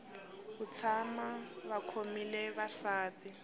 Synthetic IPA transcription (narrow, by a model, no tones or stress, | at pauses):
bʊt͡sʰamaβakʰomilɛβasaːtɪ